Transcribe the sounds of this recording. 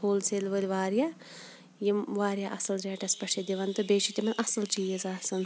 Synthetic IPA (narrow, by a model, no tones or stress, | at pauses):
hoːlsʰelʋəlʲʋaːɾjaː | jimʋaːɾjaːʔɐsɐlɾʲeːʈɐspɐʂʰed̪iʋɐnt̪ɨbeːt͡ʃʰit̪ʲimɐnʲʔɐsɐlt͡ʃiːjɐzaːsɐn